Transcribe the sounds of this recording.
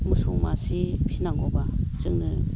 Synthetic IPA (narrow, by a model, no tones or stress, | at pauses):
mɯsuŋma̰sipʰinaŋɡɔbat͡sɯŋnɯ